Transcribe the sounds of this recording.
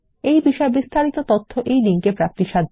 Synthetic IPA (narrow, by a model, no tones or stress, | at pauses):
ejbiʃɔebist̪ʰaɾit̪ot̪ot̪ʰːoʔejdiŋkepɾap̚t̪iʃad̪ʱ